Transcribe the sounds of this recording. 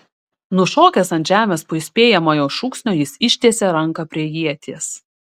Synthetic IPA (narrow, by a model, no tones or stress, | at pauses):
nʊʃoːkʲɛsɐnʲʒʲæːmʲeːspʊɪsʲpʲeːjɛmoːjɛʊʃuːksʲnʲoːjɪsɪʃʲt̪ʲeɛsʲeɾɐŋˑkɐpʲɾʲiɛjiɛt̪ʲis